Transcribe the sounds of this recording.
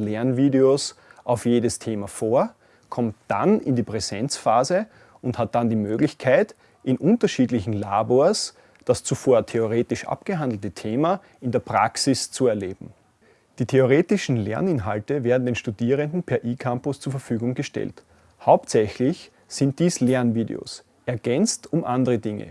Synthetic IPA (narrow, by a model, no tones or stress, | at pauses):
lɛɐnviːdeosʔaʊfjeːdəstʰeːmafoːɐ | kʰɔmtd̥a̰nɪ̰ndiːpʁ̥ɛzɛnt͡sfaːzə | ʊnthat̚d̥andiːmøːɡlɪçkʰaɪt | ʔɪnʔʊ̃ntɐʃiːdlɪçn̩laːboːɐs | d̥ast͡sufoːɐtʰeoʁeːtɪʃʔa̰pɡ̥əɦãndl̩tətʰeːmɐ | ɪndeːɐpʁ̥a̰ksɪst͡suɛɐleːb̥m̩ | d̥iːtʰeoʁ̞eːtɪʃn̩lɛ̰ɐnɪnɦaltəvɛːɐdn̩deːnʃtudiːʁ̞əndn̩pʰɛɐʔiːkʰampʊst͡suːɐfɐfyːɡʊŋɡ̥əʃtɛ̰lt | haʊptsɛçlɪç | sɪnt̚d̥iːslɛɐnviːdḛo̰s | ʔɛɐɡ̥ɛnt͡stʊmʔandəʁədɪŋə̰